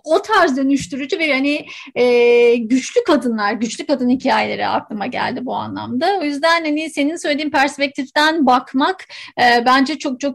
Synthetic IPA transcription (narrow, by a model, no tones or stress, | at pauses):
o̞t̪ʰaɾzd̪ø̞nyʃt̪ʰyɾud͡ʒubehani | ɛːɟyt͡ʃlʲykʰad̪ɯnlˠaɾɟyt͡ʃlʲykad̪ɯnhicʰaːjelʲeɾɛ̰a̰klˠɯmaɟæ̰lʲd̪ibua̰nlˠa̰md̪ao̞jyzd̪ænhanɪse̞ninsø̞jlʲed̪iːmpʰæɾspɛc̚t̪ʰift̪ænbakmakːbænd͡ʒɛt͡ʃʰo̞k̚t͡ʃʰo̞k̚